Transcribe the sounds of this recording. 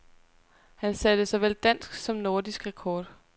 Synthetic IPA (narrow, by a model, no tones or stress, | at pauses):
hænsæd̥əsɑʋel̰d̥æn̰sɡ̥sɒ̽mno̝ɐd̥isɡ̥ʁakʰɒːd̥